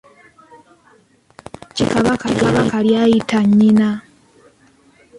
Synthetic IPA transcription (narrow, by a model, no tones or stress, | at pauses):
cikaβakalaβakaljaːjitʰaɲːina